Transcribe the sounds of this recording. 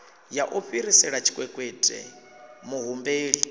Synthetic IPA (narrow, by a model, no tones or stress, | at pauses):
jaʔuɸiɾisɛɺat͡ʃʰi̥kʼwɛkʼwetʼɛ̰ | muɦumbeːɺi